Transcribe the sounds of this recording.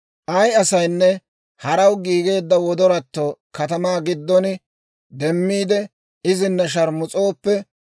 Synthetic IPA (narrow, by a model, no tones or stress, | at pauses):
ʔɐjɐsɐjnːɛ | hɐɾɐwɡiːɡe̞ːd̪ːɐwɔd̪ɔɾɐt̪ːoːkɐt̪ɐmaːɡɪd̪ːɔnɪ | d̪ɛmːiːd̪ɛ | ɪzɪnːɐʃ̬ɐɾmʊt͡sʼo̞ːpːɛ